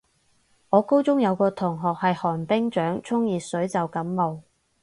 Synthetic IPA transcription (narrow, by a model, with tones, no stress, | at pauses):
ŋɔː˨˧ko˥wt͡sʊ˥ŋjɐ˨˧wkɔː˧t̪ʰʊ˨˩ŋɦɔː˨k̚hɐ˨jhɔː˨˩npɪ˥ŋt͡ʃœː˨˥ŋt͡sʰʊ˥ŋjiː˨sɵ˨˥ɥt͡sɐ˨wkɐ˨˥mːo˨w